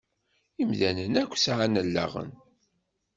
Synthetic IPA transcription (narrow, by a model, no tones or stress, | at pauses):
imðænənækʷːsʕanəlːa̰ʁə̰n